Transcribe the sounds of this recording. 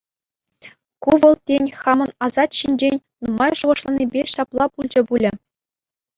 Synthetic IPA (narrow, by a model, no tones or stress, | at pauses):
kuʋɤ̆lˠtʲenʲxɑmɤ̆nɑzɑt̪ɕinʲd͡ʑenʲ | nuɤmɑjʐuʁɤ̆ʂlˠɑnʲibʲeɕɑplˠɑpulʲd͡ʑɘ̆bulʲɘ̆